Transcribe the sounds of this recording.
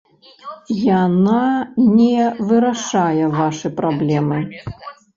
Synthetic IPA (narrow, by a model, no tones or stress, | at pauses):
jananʲɛvɨɾaʂajɛvaʂɨpɾablʲɛmɨ